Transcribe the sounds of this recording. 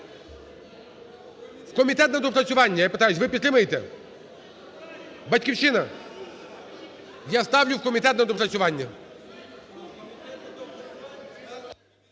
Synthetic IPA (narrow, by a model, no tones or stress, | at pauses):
wkɔmʲit̪ɛt̪̚nɐd̪ɔplˠɐsʲʊʋanʲːɐjapɪt̪ajʊsʲʋɪpʲizlʲɪmɨjet̪ɛ̰ | bɐtʲkʲiwʃɪnɐ | jast̪awlʲʊwkɔmʲit̪ɛt̪nɐd̪ɔplˠɐt̪sʲʊʋanʲːɐ